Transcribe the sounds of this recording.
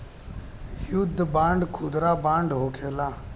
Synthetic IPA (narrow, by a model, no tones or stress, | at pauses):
jʊd̪ʱːbãːɳɖkʰʊːd̪ɾaːbãːɳɖɦoːkʰeːlaː